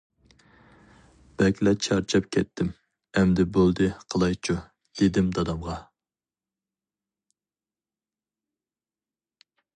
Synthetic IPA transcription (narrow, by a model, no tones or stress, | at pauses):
b̥ɛkʲlɛt͡ʃʰɑɾt͡ʃʰɑp̚kʲʰɛt̪ʰːɪm | ɛmd̪ɪbolˠd̪ɨqʰəlˠɑjt͡ʃʰu | d̪̥ed̪ɪmd̪ɑd̪ɑmʁɑ